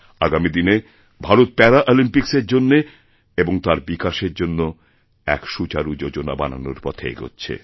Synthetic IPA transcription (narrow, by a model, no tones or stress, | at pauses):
aɡamid̪ine | bʱaɾot̪̚pɛɾaʔolimpikseɾd͡ʑonːe | eboŋt̪aɾbikaʃeɾd͡ʑonːo | ɛ̰kʃut͡ɕaɾud͡ʑod͡ʑona̰bana̰no̰ɾpɔt̪ʰḛjɡo̰tːɕʰḛ